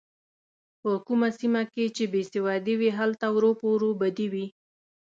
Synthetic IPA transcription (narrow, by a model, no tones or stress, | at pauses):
pəkumasimaket͡ʃebesɪwɑd̪iwiɦalt̪awɾopoɾobad̪iwi